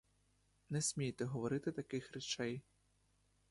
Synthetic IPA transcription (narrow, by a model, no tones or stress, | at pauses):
nɛsʲmʲijt̪ɛɦɔʋɔɾɪt̪ɪt̪ɐkɪxɾet͡ʃɛj